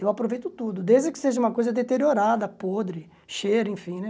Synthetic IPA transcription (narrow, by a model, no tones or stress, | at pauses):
ewapɾovejt̪ʊt̪ud̪ʊd̪ezd͡ʒɪkɪ̥seʒɐũmɐkojzɐd̪et̪eɾioɾad̪ɐpod̪ɾɪ | ʃejɾʊẽfĩnɛ